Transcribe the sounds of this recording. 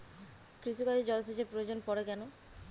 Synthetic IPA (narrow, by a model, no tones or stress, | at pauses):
kɾiʃukad͡ʑed͡ʑɔloset͡ɕʰepɾojod͡ʑonpɔɾekɛno